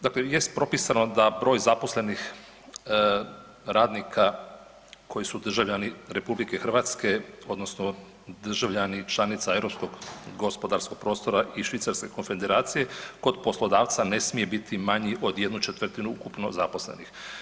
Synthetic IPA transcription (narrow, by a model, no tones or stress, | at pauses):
d̪akleje̞st̪̚pɾo̞pisano̞d̪abɾo̞ːjzaposle̞nix | ɾaːd̪nikʰa | kʰo̞jisud̪r̩ʒaʋʎaniɾe̞publike̞xr̩ʋaːt̪ske̞o̞d̪nosno | d̪r̩ʒaʋʎanit͡ʃlˠanit̪sae̞vɾo̞psko̞ɡɡo̞spo̞d̪aɾskoɡ̚pɾo̞ːst̪o̞ɾaʔiʃʋit̪saɾske̞ko̞nfe̞d̪eɾaːt̪sije̞ko̞d̪po̞slˠo̞d̪aːʋt̪sane̞smije̞bit̪ʰimaɲiʔo̞d̪je̞d̪nut͡ʃet̪ʋr̩t̪inuukupno̞̰zapo̞slḛnix